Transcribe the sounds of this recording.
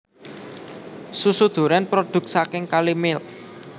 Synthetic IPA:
susud̪̥ṳɾɛnpɾod̪̥ʊ̤k̚sakɪŋkalimɪl

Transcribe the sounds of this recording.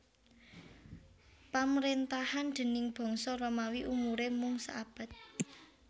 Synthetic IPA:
pamɾent̪ahand̪̥ə̤nɪŋb̥ɔ̤ŋsɔɾomawiʔumuɾemʊŋsa̰ab̥a̤t̪̚

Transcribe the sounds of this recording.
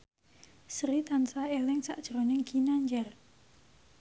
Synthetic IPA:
sɾit̪ansaelɪŋsa̰ʔd̥ʒ̥ɾonɛŋɡ̥inaɲd͡ʒɛr

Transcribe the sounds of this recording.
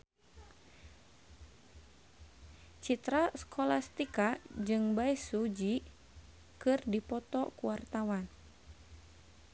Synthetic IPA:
t͡ʃit̪ɾaskʰɔlast̪ikad͡ʒɨŋbaisud͡ʒi | kɨrdipɔt̪ɔkuwart̪awan

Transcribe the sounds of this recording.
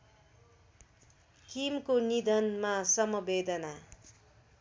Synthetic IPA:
kimkonid̪ʱʌnmasʌmʌbed̪ʌna

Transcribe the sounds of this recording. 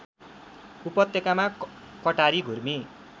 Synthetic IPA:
upʌt̪ːjekamakʌʈaɾiɡʱurmi

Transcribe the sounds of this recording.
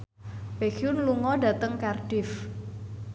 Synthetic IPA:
bekjunluŋɔɖä̤t̪əŋkarɖ̥ɪf

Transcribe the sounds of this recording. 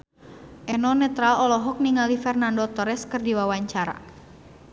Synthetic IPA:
ʔɛnɔnɛt̪ɾalɔlɔɦɔk̚niŋalifɛrnandɔt̪ɔɾɛskɨrdiwawaɲt͡ʃaɾa̰

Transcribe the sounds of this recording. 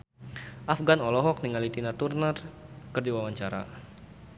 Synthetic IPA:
ʔafɡanɔlɔɦɔk̚niŋalit̪inat̪urnərkərdiwawaɲt͡ʃaɾa̰

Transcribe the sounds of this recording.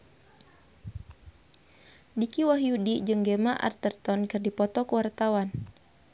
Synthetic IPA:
dikiwaɦjudid͡ʒɨŋɡemaʔa̰rt̪ərt̪ɔnkɨrdipɔt̪ɔkwart̪awan

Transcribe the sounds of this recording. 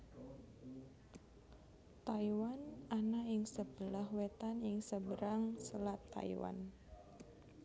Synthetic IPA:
t̪aiwananajəŋsəb̥əlahwet̪anjəŋsəbəɾaŋsəlat̪ːa̰ḭwa̰n

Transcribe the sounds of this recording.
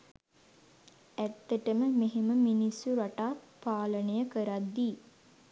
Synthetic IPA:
æt̪ːəʈəməmeɦeməminisːuɾaʈaːpaːlənəjəkəɾad̪ːiː

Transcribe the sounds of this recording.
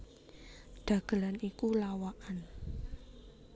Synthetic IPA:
ɖ̥ä̤ɡ̥ə̤lanikulawaʔan

